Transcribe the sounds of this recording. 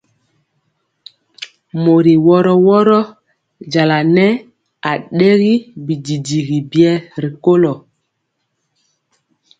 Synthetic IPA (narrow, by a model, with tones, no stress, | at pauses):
mo˨ɾi˨wɔ˦ɾɔ˦wɔ˦ɾɔ˦ | d͡ʒa˨la˨nɛ˦ | a˨ɗe˦ɣi˦bi˨di˨di˨ɣi˨bi˦ɛ˦ɾi˨ko˦lɔ˨